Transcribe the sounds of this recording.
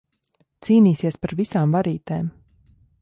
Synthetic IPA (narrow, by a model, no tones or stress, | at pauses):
t̪siːniːsiɛspaɾvisaːmvaɾiːt̪ɛːm